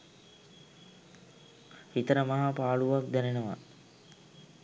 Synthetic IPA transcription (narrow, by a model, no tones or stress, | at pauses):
hit̪əɾəmaɦapaːɭuʋak̚d̪ænenəʋa̰